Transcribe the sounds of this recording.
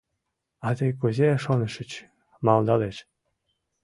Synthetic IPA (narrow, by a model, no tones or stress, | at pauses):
ɑd̪ejkuzʲeʃonɤ̆ʃɘ̆t͡ɕ | mɑlˠd̪ɑleʃ